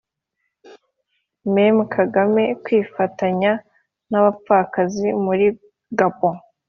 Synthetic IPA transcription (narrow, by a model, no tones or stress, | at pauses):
memukʰaɡame̞kwiːfataɲa | naβafakazimuɾi | ɡabo